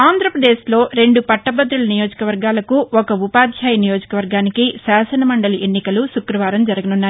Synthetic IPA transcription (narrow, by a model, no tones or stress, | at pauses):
aːnd̪ʱɾɐpɾɐd̪e̞ːslo̞ːɾe̞ɳɖupɐʈːɐbɐd̪ɾulɐnijoːd͡ʒɐkɐʋɐɾɡaːlɐkuɔkɐupaːd̪ʱjaːjɐnijo̞ːd͡ʒɐ̥kɐʋɐɾɡaːnikisaːsɐnɐmɐɳɖɐliʔe̞nːikɐlusukɾɐʋaːɾɐmd͡ʒɐɾɐɡɐnunːaːj